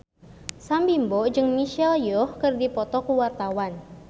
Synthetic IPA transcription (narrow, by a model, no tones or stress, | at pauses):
sambimbɔd͡ʒɨŋmiʃɛljɔhkɨrdipɔt̪ɔkuwart̪awan